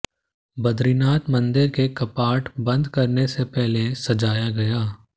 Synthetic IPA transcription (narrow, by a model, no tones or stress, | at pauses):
bɐd̪ɾinaːt̪mɐ̃nd̪ɪɾkekɐpaːʈbɐ̃nd̪kɐɾnesepɛɦlesɐd͡ʒaːjaɡɐjaː